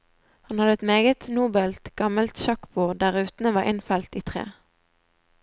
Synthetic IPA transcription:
hɑnhɑd̪əɛt̪meːɡət̪nuːbɛlt̪ɡ̥ɑməlt̪ʃɑkbuːʁd̪æʁʉːt̪n̩əʋɑːʔɪnfælt̪iːt̪ʰʁḛː

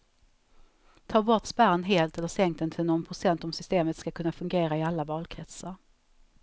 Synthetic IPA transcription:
t̪ʰɑːbɔʈ̪spæɾnɦeːlt̪ɛlːəʂɛŋkt̪ɛnt̪ʰɪlnɔnpʰɾʊsɛnt̪ɔmsʏst̪eːmət̪skakʰɵnːafɵŋɡeːɾaɪalːavɑːlkʰɾɛt̪səɾ

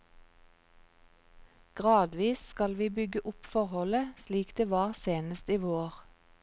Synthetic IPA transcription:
ɡ̥ʁɑːd̪ʋiːsskɑlʋiːbʏɡəʔʊpfɔʁhɔləsliːkd̪̥eːʋɑːʁseːnəst̪iːʋoːʁ

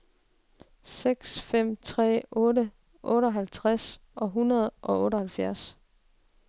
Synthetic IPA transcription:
seɡ̥sfem̰t͡sʰʁɛ̰ːɔ̽ːɾə | ʔɔ̽ːɾəɒɦælt͡sʰʁas | ʔɒ̽ɦunɐð̞̩ˠʔɒ̽ɔ̽ːɾəhælfjæɐs

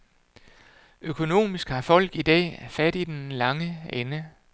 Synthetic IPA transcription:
ʔøkʰo̝no̝̰ːmisɡ̥hɑ̈fɒ̽l̰ɡ̥id̥ɛ̰ːæfæd̥id̥enlɑ̈ŋəenə

